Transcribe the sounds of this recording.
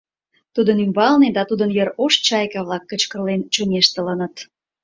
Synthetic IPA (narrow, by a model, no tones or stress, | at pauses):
t̪ud̪ənymbɑlned̪ɑt̪ud̪ənjəɾoʃt͡ɕɑjkɑβlɑkːət͡ɕkə̆rlent͡ɕumeʃt̪ələnət̪